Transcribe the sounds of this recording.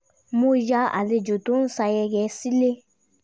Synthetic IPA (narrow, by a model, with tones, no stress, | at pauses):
mo˦˧d͡ʒa˧˦a̰˨le˧d͡ʒo˨to˨˦sa˧jɛ˧ɡɛ˧˦si˦le˦